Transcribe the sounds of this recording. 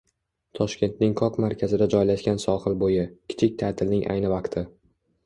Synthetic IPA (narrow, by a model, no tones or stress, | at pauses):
t̪ʰɒʃkʲe̞nt̪̚nɪŋkʰɒkmaɾkʲʰazɪd̪ad͡ʒɒjlaʃkʲansɒhɨlbojɪkʲʰɪ̥t͡ʃʰɪk̚ʲt̪ʰat̪ʰɪlnɪŋʔa̰jnɪvaqt̪ʰɪ